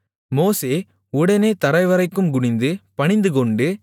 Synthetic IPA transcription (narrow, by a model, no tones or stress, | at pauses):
moːseː | ʊɽɐneːt̪ɐɾɐɪʋɐɾɐɪkːɯmɡʊɳɪnd̪ɯpɐɳɪnd̪ɯkɔɳɖɯ